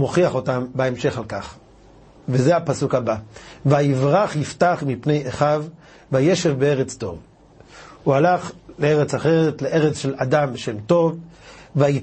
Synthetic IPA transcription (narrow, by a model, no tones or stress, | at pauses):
moχiaχo̞tambaemʃe̞χalkaχ | vezeapasukhabaveaivʁaχhiftaχmipne̞jeχav | vajeʃevbeeʁet͡sto̞̰v | ualaχleeʁet͡saχeʁet̪leʔe̞ʁet͡sʃe̞ladambeʃemto̞vvai